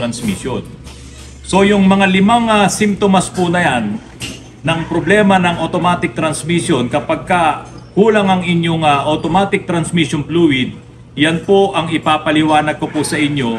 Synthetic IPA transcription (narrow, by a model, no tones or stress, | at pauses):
ɐnsmiʃjon | so̞jʊŋmɐŋalɪmaŋasɪmt̪omɐspunɐjanː | ɐŋpɾoblɛːmɐnɐŋʔot̪omaːt̪ɪk̚t̪ɾɐnsmisjonkɐpɐɡ̚kɐ | huːlɐŋɐŋɪɲjoŋaʔot̪omaːt̪ɪk̚t̪ɾɐnsmiʃjonpluːwɪd̪̚ | janpoʔɐŋɪpaːpɐlɪwaːnɐɡ̚kopusɐʔɪɲjo̞